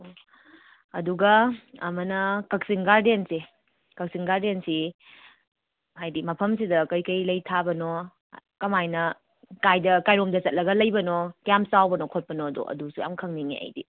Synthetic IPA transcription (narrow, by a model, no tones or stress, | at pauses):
ɐduɡɐɐmɐnɐkɐk̚siŋɡaɾdense | kɐk̚siŋɡaɾdensi | ɦajdimɐpʰɐms̬idɐkɐjkɐjlɐjtʰabɐno | kɐmajnɐ | kajdɐkajɾomdɐt͡ʃɐt̚lɐɡɐlɐjbɐnokjamsawbɐnɔkʰot̚pɐnodɔ̰ʔɐ̰dusuja̰mkʰɐŋniŋḛa̰jdḭ